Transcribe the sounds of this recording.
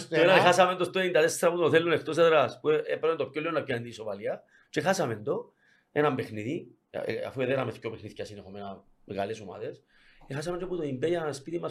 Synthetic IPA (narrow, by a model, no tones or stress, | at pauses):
enanexasamend̪ost̪oind̪aðest̪ɾapunoθelːonext̪os̬eðɾaspuepeɾent̪op̚kːolːeonapjoend̪isopalia | t͡ʃexasamend̪o | enambexniðḭ | a̰fueðeɾameθcːopexniθcʲasinexomena | ɣalesoma̰ðes | exas̬amenoput̪oimbejaespit̪ima